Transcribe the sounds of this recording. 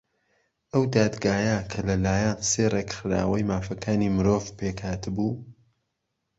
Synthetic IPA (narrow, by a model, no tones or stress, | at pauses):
ʔɐwd̪aːd̪ɡaːjakʰɐlɐlaːjanserekxɾa̰ːwɐjmaːfɐkʰaːniːmɨɾoːvpeːkhaːt̪ɨbuː